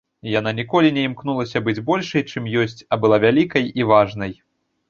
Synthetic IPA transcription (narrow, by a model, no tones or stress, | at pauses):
jananʲikɔlʲinʲɛimknulˠɐsʲɐbɨd͡zʲbɔlʲʂɐjt͡ʂɨmjɔsʲt͡sʲɐbɨlˠavʲalʲikɐjivaʐnɐj